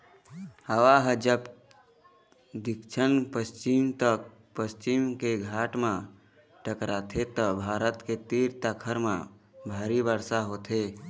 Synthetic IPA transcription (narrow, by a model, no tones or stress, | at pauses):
həʋaɦəd͡ʒəb | d̪ikt͡ʃʰənpəst͡ʃimt̪ək̚ | pəst͡ʃimkeɡʱaʈmã | ʈəkɾat̪ʰet̪əbʱaːɾət̪ket̪iɾt̪əkʰəɾmã̰bʱəɾibəɾsaɦoːt̪ʰe